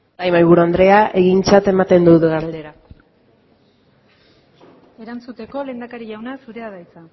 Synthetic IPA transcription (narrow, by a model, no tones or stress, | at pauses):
dajmajβ̞uɾuand̪ɾe̞aʔe̞ɣint͡sat̪e̞mat̪e̞nd̪uðeɣaɾld̪e̞ɾa | e̞ɾant͡sut̪e̞ko̞le̞ːnd̪akaɾiʝawnasuɾeaðajt͡sa